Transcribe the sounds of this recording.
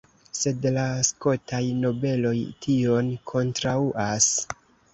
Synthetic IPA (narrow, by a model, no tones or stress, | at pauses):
se̞dlasko̞tʰajno̞be̞lo̞jtio̞nkʰo̞ntɾauʔas